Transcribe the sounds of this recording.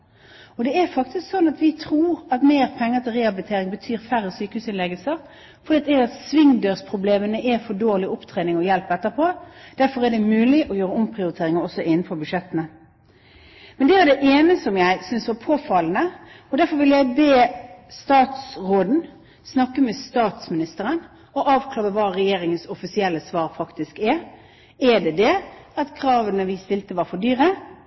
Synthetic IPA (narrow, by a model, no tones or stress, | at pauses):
ɔd̪ɛæɾfɑk̚t̪ɪsksɔnːɑt̪ʋɪt̪ʰɾuːɾɑt̪meːʁpʰɛŋːət̪ʰɪlʁɛɑbəlɪt̪ʰeːɾɪŋbət̪ʰyːɾfæʁəsyːkəhʉːsɪnlɛɡəlsəʁ | fɔɾiːt̪d̪ɛæɑt̪sʋɪŋd̪øːʁspʰʁʊbleːmənəʔɛfɔdoːʁlɪʊpt̪ʰɾeːnɪŋɔjɛlpɛt̪ːəpʰod̪̥æɾfɔɾæɖɛmʉːlɪʔɔjøːɾəʊmpʰɾɪʊɾɪt̪ʰeːɾɪŋəɔsɔʔɪn̩ːfɔbʉʂɛt̪ːənə | mɛnd̪ɛæɾɖ̪ɛʔeːnəsɔmjæɪsʏnsʋɑɾpʰoːfɑlənəɔd̪æɾfɔɾʋɪljæɪbeːst̪ɑːt̪sʁoːd̪n̩ | snɑkːəmɛst̪ɑːt̪smɪnɪst̪əɾən | ɔʔɑːʋkʰlɑːʁəʋɑːɾɛjeːɾɪŋənsɔfɪsɪɛlːəsʋɑːɾfɑkt̪ɪskɛ | ɛd̪ɛd̪ɛɑt̪kʰɾɑːʋənəʋɪst̪ɪlt̪əʋɑːɾfɔd̪yːɾə